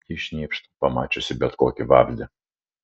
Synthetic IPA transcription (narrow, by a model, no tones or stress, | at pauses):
ɪʃʲnʲiːpʃt̪pɐmɑːt͡ʃʲosʲɪbʲɛt̪koːkʲɪʋɑ̰ːvʲzʲd̪ʲɪ